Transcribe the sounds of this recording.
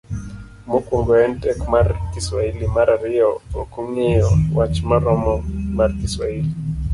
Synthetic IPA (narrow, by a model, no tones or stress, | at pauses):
mokuŋɡɔɛntɛkmaɾkiswailimaɾaɾiɔokuŋejɔwat͡ʃmaɾɔmɔmaɾkiswaili